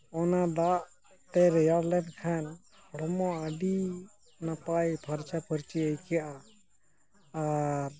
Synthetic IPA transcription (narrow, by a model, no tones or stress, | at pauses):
ɔnad̪aʔ | t̪ɛɾɛjaɾlɛnɖkʰan | ɽɔmɔəɖi | napajpʰəɾt͡ʃapʰəɾt͡ʃiəjkijaʔa | aɾ